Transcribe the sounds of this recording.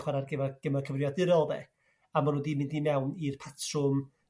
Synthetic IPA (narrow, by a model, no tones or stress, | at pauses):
χwɛɾarɡɪvaɡ̥əmakʰəvrjɔdɪɾɔlˠðɛ̰ | amanudimɪndimɛwnirpʰatʰrʊm